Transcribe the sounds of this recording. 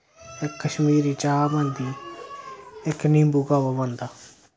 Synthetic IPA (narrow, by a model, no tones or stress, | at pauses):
ɪkːəʃmiːɾiːt͡ʃaːbãnd̪iː | ɪknĩːmbuɡaːʋaːbãnd̪aː